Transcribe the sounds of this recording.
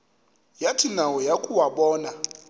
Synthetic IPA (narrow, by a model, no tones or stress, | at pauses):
jatʰinawɔjakʼuwaɓɔːna